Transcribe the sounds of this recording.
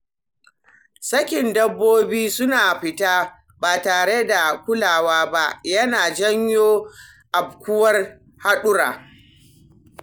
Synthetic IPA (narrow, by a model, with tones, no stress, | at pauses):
sɐ˦kʲɪ˨ndɐ˦bːoː˦biː˦sʊ˦naː˨ɸɪ˨taː˦ | baː˨taː˨ɽe˦da˨kʷʊ˦laː˨waː˦ba˦ʔjɐ˦naː˨d͡ʒɐ˦ɲjoː˦ | ʔa˨b̚kʷʊ˦wɐ˦r | ha˦ɗʊ˦ɾa̰ː˨